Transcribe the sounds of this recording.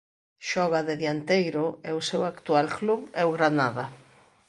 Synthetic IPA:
ʃɔɣaðeðjant̪ejɾʊɛʊsewakt̪ualkluβɛʊɣɾanaða

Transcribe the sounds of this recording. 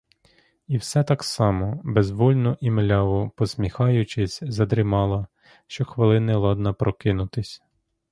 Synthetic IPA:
iwsɛt̪ɑksɑmɔbɛzʋɔlʲnɔʔimlʲɑʋʊpɔsʲmʲixɑjʊt͡ʃɪsʲzɐd̪ɾɪmɑlˠɐ | ʃt͡ʃɔxʋelˠɪnɛlˠɔd̪nɐpɾɔkɪnʊt̪ɪsʲ

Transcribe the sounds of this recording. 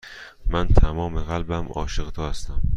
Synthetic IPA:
mænt̪ʰæmɒːmeɣælbæmɒ̰ːʃeɣt̪ʰɒːhæst̪æm

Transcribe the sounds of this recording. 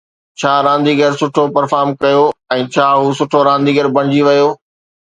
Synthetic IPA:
t͡ɕʰaːɾãːnd̪iːɡɐɾsʊʈʰopɐɾfaːɾmkɐjoɛ̃ːt͡ɕʰaːɦusʊʈʰoɾãːnd̪iːɡəɾbɐ̃ɽ̃ɪd͡ʑiʋɐjoː

